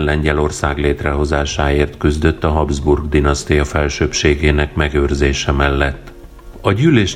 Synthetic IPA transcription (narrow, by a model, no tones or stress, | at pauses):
nlɛɲɟɛlo̞rsaːɡleːt̪rɛɦo̞zaːʃaːeːrt̪kyzd̪ø̞t̪ːɒɦɒbzburɡd̪inɒst̪ijɒfɛlʃøːpʃeːɡeːnɛkmɛɡøːrzeːʃɛmɛlːɛt̪ː | ɒɟyːleːʃ